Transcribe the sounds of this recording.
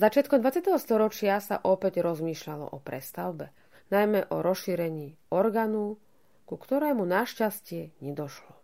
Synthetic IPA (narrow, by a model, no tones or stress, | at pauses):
zat͡ʃɪat̪kɔmd̪ʋat͡sɪat̪ɛɦɔst̪ɔɾɔt͡ʃɪasa̰ʔɔpɛɟɾɔzmiːʃʎalɔ̰ʔɔpɾɛst̪aʊbɛ | najmɛʔɔɾɔsʃiːɾɛɲiː | ɔɾɡaːnɔ | kukt̪ɔɾɛːmunaʃcascɪɛɲɛd̪ɔʃlɔ